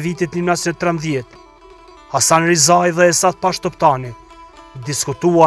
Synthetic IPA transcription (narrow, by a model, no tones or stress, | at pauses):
vit̪it̪ninasɛt̪ːɾɛmðjɛt̪ | asanɾizajðɛːsat̪̚paʃt̪ɔpt̪ani | d̪iskut̪ua